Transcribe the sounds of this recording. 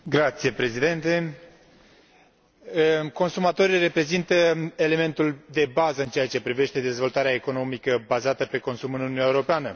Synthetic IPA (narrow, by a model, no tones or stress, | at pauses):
ɡɾat̪sije̞pɾe̞zid̪e̞nt̪e̞ | ko̞nsumat̪o̞ɾire̞pɾe̞zint̪əele̞me̞nt̪uld̪e̞bazəɨnt͡ʃe̞jat͡ʃe̞pɾive̞ʃt̪e̞d̪e̞zvo̞lt̪aɾeaeko̞no̞mikəbazat̪əpe̞ko̞nsumɨnununaeuɾo̞peanə